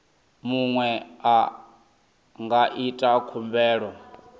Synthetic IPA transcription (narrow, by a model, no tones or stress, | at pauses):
muŋwɛa | ŋɡaʔitʼakʰumbɛːɺɔ